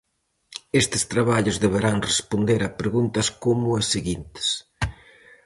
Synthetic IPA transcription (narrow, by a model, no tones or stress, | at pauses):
est̪ɪ̥st̪ɾaβaʎʊzðeβ̞eɾaŋrespond̪eɾɐpɾeɣunt̪ɐskomʊaseɣint̪ɪ̥s